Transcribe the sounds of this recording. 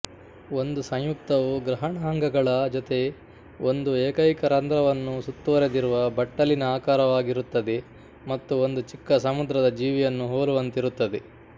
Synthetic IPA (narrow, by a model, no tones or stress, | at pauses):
o̞nd̪usɐ̃ɲjuk̚t̪ɐʋuɡɾɐɦɐɳɐɦɐŋɡɐɡɐɭɐd͡ʒot̪e̞ | ond̪ueːkɐjkɐɾɐnd̪ɾɐʋɐnːusut̪ːuʋɐɾed̪iɾuʋɐbɐʈːɐlinɐaːkaːɾɐʋaːɡiɾut̪ːɐd̪e | mɐt̪ːuond̪ut͡ʃikːɐsɐmud̪ɾɐd̪ɐd͡ʒiːʋijɐnːuɦoːɾuʋɐnt̪iɾut̪ːɐd̪e